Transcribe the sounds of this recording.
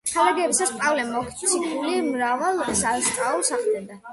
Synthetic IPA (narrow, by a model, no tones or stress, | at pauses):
χʰalaɡɛːbisaspʼavlɛmɔkʰt̪sʰipʰʼulimɾavalˠsaɾsʼaɔsaχd̪ɛd̪a